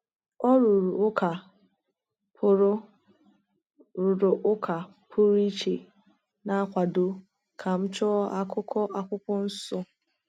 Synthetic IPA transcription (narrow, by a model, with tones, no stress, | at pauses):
ɔ˦ɾʊ˨ɾu˨ʊ˦kʰa˨ | pʰʊ˦ɾʊ˦ | ɾʊ˨ɾʊ˨ʔʊ˦kʰa˨ | pʰʊ˦ɾi˦t͡ʃḛ˨ | na˦kʷa˨do˦ | kʰa˨m̩˦t͡ʃɔ˦a˦kʊ˦kɔ˦ʔa˦kʷʊ˦kɔ˦n̩˦sʊ˦